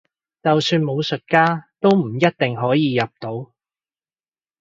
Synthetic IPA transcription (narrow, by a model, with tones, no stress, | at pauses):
t͡sɐ˨wsyː˧nmo˨˧wsɵ˨t̚kaː˥t̪o˥wm̩˨˩jɐ˥t̚t̪ɪ˨ŋɦɔː˨˥jiː˨˧jɐ˨p̚t̪o˨˥w